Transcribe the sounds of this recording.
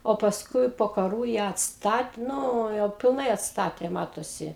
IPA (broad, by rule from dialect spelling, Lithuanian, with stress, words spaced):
oː pɐsˈkʊɪ poː kɐˈruː jæː ɐtsˈtɐt ˈnʊ jɛʊ pʲɪlˠˈnɐɪ ɐtˈstɑːtʲeː ˈmɑːtoːsʲɪ